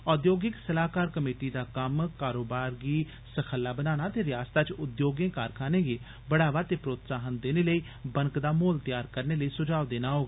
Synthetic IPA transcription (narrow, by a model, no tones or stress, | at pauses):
ɔːd̪joːɡɪksəlaːkaːɾkəmeːʈiːd̪aːkəmkaːɾoːbaːɾɡiː | səkʰəlːaːbənaːnaːt̪eːɾɪjaːst̪aːt͡ʃʊd̪joːɡẽːkaːɾkʰaːneːɡeː | bəɽaːʋaːt̪eːpɾoːt̪saːɦənd̪eːneːləiː | bəŋkd̪aːmoːlt̪jaːɾkəɾneːləiːsʊd͡ʒaːʋd̪eːnaːɦoːɡaː